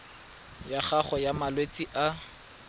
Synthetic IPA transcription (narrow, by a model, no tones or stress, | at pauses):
jaχaχɔjamalwet͡sʼiʔa